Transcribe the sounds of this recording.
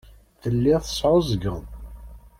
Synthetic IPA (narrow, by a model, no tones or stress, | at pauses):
θəlːiθə̥sˤʕʊzəɡəð